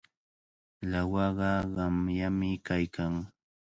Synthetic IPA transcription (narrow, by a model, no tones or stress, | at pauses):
lawɑɢɑɢɑmjamɪkajkʰaŋ